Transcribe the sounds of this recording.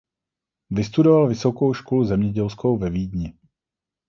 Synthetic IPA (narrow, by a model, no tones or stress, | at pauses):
vɪst̪udovalvɪso̞ko̞wʃkoluzɛmɲɛɟɛlskowvɛviːdɲɪ